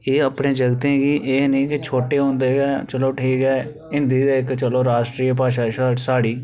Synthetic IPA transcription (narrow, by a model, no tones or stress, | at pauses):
eːəpɳeːd͡ʒəɡt̪ẽːɡiːʔeːnĩːkɪt͡ʃʰoːʈeːɦõːnd̪eːɛːt͡ʃəloːʈʰiːkɛː | ɪ̃nd̪iːd̪aːɪkt͡ʃəloːɾaːʃʈɾiːp̬aːʃaːʃasaːɽiː